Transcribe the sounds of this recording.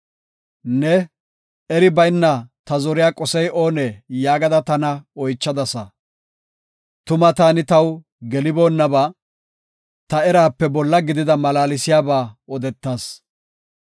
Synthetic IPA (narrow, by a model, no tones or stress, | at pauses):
nɛ | ɛɾɪbɐjnːɐt̪ɐzɔɾɪjaːkʼɔsɛjʔoːnɛjaːɡɐd̪ɐt̪ɐnɐɔjt͡ʃːɐd̪ɐsɐ | t̪ʊmɐt̪aːnɪt̪ɐw | ɡɛlɪbo̞ːnːɐbaː | t̪ɐɛɾaːpːɛbɔlːɐɡɪd̪ɪd̪ɐmɐlaːlɪsɪjaːbaːɔd̪ɛt̪ːaːs